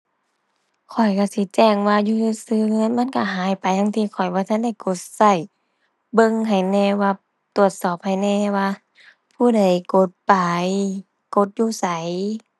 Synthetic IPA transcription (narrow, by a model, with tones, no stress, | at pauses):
kʰɔ˨˩jka˧˩si˧˦t͡ɕɛː˧˩ŋwaː˧juː˧˨juː˧˩sɯː˧ŋɤ˧˥˨nma˧˥˨nka˧˩ɦaː˨˦jpa˨ja˧˨ŋt̪ʰiː˧˩kʰɔ˨˩jbɔː˧˦t̪ʰa˧˥˨nda˧˩jko˧˦t̪̚sa˧˩j | bɤ˧˨ŋɦa˨˩jnɛː˧waː˧ | t̪u˨˩ət̪̚sɔː˨˩p̚ha˨˩jnɛː˧waː˧ | pʰuː˧˩˨da˧˩jko˧˦t̪̚pa˨˧j | ko˧˦t̪̚juː˧˦sa˨˦j